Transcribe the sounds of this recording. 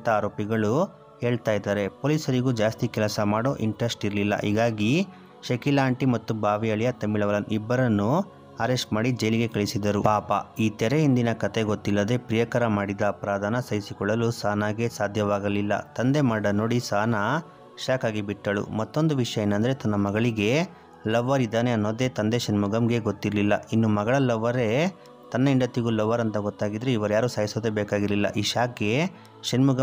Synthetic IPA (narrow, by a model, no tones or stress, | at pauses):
t̪ɐaːɾo̞ːpiɡɐɭu | e̞ːɭt̪aːjd̪aːɾe̞poːlisɐɾiɡud͡ʒaːst̪ikɛlɐsɐmaːɽo̞ːʔiɳʈɾɐsʈiɾlilːɐ̰ʔiːɡaːɡi | ʃɐkilaːɳʈimɐt̪ːubʱaːʋiɐɭijɐt̪ɐmːiɭɐʋɐlɐnʔibːɐɾɐnːu | ɐɾesʈmaːɽid͡ʒɐjliɡe̞kɐɭisid̪ɐɾupaːpɐ̰iːt̪ɛɾeind̪inɐkɐt̪e̞ɡot̪ːilːɐd̪e̞pɾijɐkɐɾɐmaːɽid̪ɐːpɾaːd̪ʱaːnɐsɐjisikɔɭːɐlusaːnaːɡe̞saːd̪ʱjɐʋaːɡɐlilːɐ̰t̪ɐnd̪e̞mɐɽɐno̞ːɽisaːnɐ | ʃaːkaːɡibiʈːɐɭṵmɐt̪ːo̞nd̪uʋiʂɐjɐenːɐnd̪ɐɾe̞t̪ɐnːɐmɐɡɐɭiɡe̞ | lɐʋːɐɾid̪aːne̞ɐnːoːd̪e̞t̪ɐnd̪e̞ʃɐnmuɡɐmɡe̞ɡot̪ːiɾlilːɐinːumɐɡɐɭɐlɐʋːɐɾe̞ | t̪ɐnːɐiɳɖɐt̪ːiɡulɐʋːɐɾɐnt̪ɐɡɔt̪ːaːɡid̪ɐɾeiʋɐɾujaːɾuːsaːjisoːd̪ebɛːkaːɡiɾlilːɐ̰ʔiːʃaːk̚ɡe̞ | ʃɐnmuɡɐ